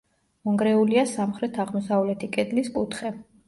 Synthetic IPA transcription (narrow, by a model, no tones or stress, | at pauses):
mɔŋɡɾɛuliasamχɾɛt̪ʰaʁmɔsavlɛt̪ʰikʼɛd̪lispʼut̪ʰχɛ